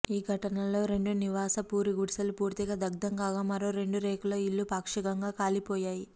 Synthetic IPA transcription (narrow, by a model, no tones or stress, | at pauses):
iːɡʱɐʈɐnɐlo̞ːɾe̞ɳɖuniʋaːsɐpuːɾiɡuɽsɐlupuːɾt̪iɡɐd̪ɐɡ̚d̪ɐŋkaːɡaːmɐɾo̞ːɾe̞ɳɖuɾeːkuloːilːupaːkʂikɐŋɡaːkaːlipoːjaːji